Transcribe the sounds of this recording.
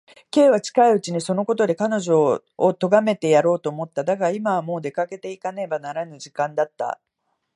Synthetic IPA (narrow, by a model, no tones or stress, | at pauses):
ke̞ːβ̞at͡ɕi̥kaiɯ̟t͡ɕiɲ̟iso̞no̞ko̞t̪o̞d̪e̞kano̞ʑo̞ː | t̪o̞ɡame̞t̪e̞jaɾo̞ːt̪oːmo̞t̪ːad̪aɡaimamo̞ːd̪e̞kake̞t̪e̞ikane̞banaɾanɯ̟ʑikãnd̪at̪ːa̰